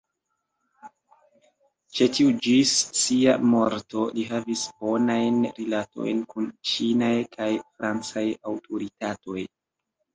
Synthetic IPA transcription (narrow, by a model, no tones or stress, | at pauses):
t͡ʃe̞tiud͡ʒisːiamo̞ɾto̞liɦavisbo̞najnɾilato̞̰jnkunt͡ʃinajkʰajfɾʔant͡sajawtʰoɾitato̞j